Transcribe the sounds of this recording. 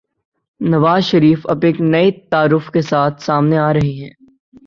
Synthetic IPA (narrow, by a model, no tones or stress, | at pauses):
nɐʋaːzʃɐɾiːfɐ̰beːknɐet̪aːɾʊfkesaːt̪ʰsaːmneaːɾɐɦiɦɛ̃ː